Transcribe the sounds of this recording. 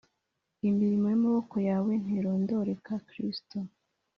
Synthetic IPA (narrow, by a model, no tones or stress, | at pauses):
imiɾimojimoβoko̞jawe̞n̥hiɾoːndo̞ɾe̞kakɾisto